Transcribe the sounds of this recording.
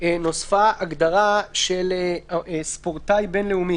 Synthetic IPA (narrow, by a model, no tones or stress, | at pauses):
eno̞sfaaɡd̪aʁaʃel | spoʁtajbe̞nleumi